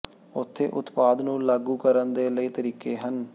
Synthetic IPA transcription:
ʊt̪ʰːḛːʔʊt̪paːd̪nũːlaːɡuːkəɾənd̪eːləiːt̪əɾiːkeːɦən

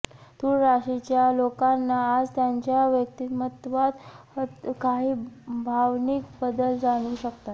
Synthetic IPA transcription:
t̪uːɽɾaɕit͡ɕjalokanːaːd͡zt̪jaɲt͡ɕjaʋjək̚t̪imət̪ʋat̪ | t̪kaɦiːbʱaʋnikbəd̪əld͡zaɽ̃uːɕəkt̪at̪

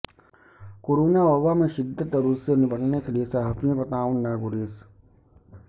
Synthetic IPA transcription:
koːɾoːnaɔʋamẽʃɪd̪ʱːət̪əɾussenɪbəʈnekeliesaɦəfijõpɐt̪aːʋənːaːɡʊɾiːs

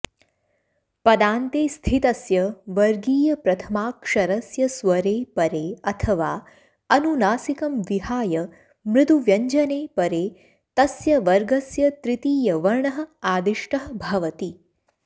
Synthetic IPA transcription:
pɐd̪aːnt̪eːst̪ʰit̪ɐsjɐʋɐɾɡiːjɐpɾɐt̪ʰɐmaːkʂɐɾɐsjɐsʋɐɾeːpɐɾeːɐt̪ʰɐʋaː | ɐnunaːsikɐmʋiɦaːjɐ | mɾɪt̪uʋjɐɲd͡ʒɐneːpɐɾeː | t̪ɐsjɐʋɐɾɡɐsjɐt̪ɾɪt̪iːjɐʋɐɾɳɐɦɐ̆aːd̪iʂʈɐɦɐbʱɐʋɐt̪i

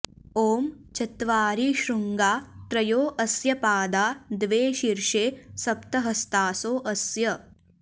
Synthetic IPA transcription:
oːmt͡ʃɐt̪ʋaːɾiʃɾuŋɡaːt̪ɾɐjoːʔɐsjɐpaːd̪aːd̪ʋeːʃiɾʂeːsɐpt̪ɐɦɐst̪aːsoːʔɐsjɐ

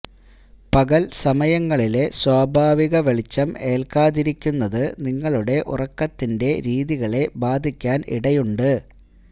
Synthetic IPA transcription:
pɐɣɐlsɐmɐjɐŋːɐɭile̞swaːbʱaːʋiɣɐʋeɭit͡ɕːɐme̞ːlkaːðiɾikʲːunːɐðɨniŋːɐɭuɽe̞ʔṵrɐkːɐt̪ːinde̞ɾiːðiɣɐɭe̞baːd̪ʱikʲːaːnḭɽɐjuɳɖɨ

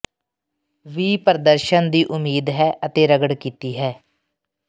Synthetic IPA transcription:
ʋiːpəɾd̪əɾʃənd̪iːʔʊmiːd̪ɦɛːʔət̪eːɾəɡəɽkiːt̪iːɦɛː

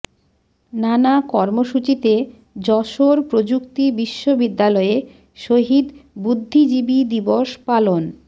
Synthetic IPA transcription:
nanakɔɾmoʃut͡ɕit̪e | d͡ʑɔʃoɾpɾod͡ʑukt̪ibiʃːobid̪ːalɔe | ʃoɦid̪bud̪ʱːid͡ʑibid̪iboʃpalon

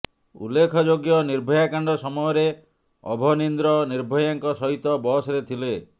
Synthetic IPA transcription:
ṵlːekʰɔd͡ʒoɡjɔniɾbʱɔjakaɳɖɔsɔmɔjɔɾe | ɔ̰bʱɔnind̪ɾɔniɾbʱɔjaŋkɔsɔɦit̪ɔbɔsɔɾet̪ʰile

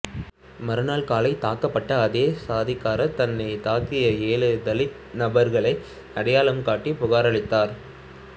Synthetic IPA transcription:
mɐɾɯnaːɭkaːlɐɪt̪aːkːɐpːɐʈːɐːðeːsaːðɪkːaːɾɐt̪ɐnːɐɪt̪aːkɪjɐeːɭɯd̪ɐlɪ | nɐbɐɾɣɐɭɐɪ | ɐɽɐjaːɭɐmkaːʈːipʊɣaːɾɐɭɪt̪ːaːɾ

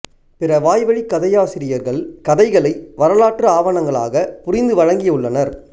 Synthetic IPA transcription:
pɪɾɐʋaːjʋɐɻikːɐðɐjaːsɪɾɪjɐɾɣɐɭkɐðɐɪɣɐɭɐɪʋɐɾɐlaːʈrɯaːʋɐɳɐŋɡɐɭa̰ːɣɐpʊɾɪnd̪ɯʋɐɻɐŋɡɪjɐɯɭːɐnɐɾ

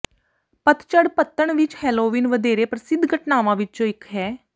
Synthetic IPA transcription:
pət̪t͡ʃəɽpət̪ːəɳʋɪt͡ʃhɛːloːʋiːnʋəd̪eːɾeːpəɾsɪd̪ʱɡəʈnaːʋãːʋɪt͡ʃt͡ʃõːɪkɦɛː

